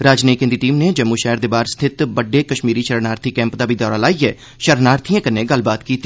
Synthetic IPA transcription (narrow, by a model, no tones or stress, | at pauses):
ɾaːd͡ʒneːkẽnd̪iːʈiːmned͡ʒəmːuːʃɛːɾd̪eːbaːɾst̪ʰɪt̪bəɖːeːkəʃmiːɾiːʃəɾənaːɾt̪ʰiːkɛ̃ːmpd̪aːbʱiːd̪ɔːɾaːlaːiɦɛː | ʃəɾnaːɾt̪ʰijãkəneːɡəlbaːt̪kiːt̪ː